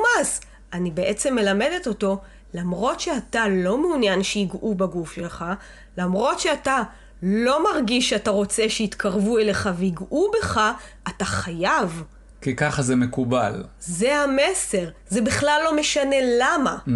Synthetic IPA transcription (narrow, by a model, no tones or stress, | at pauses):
maz | anibeʔet͡semːe̞lame̞de̞t̪o̞to̞ | lamʁo̞tʃeatalo̞meunjanʃeiɡʔubaɡufʃelχa | lamʁo̞tʃeata | lo̞maʁɡiʃataʁo̞t͡se̞ʃeit̪kʰaʁvuele̞χaveiɡʔube̞χa | ataχajav | kikaχazemekuba̰lze̞hame̞se̞ʁzebiχlalːo̞me̞ʃane̞lama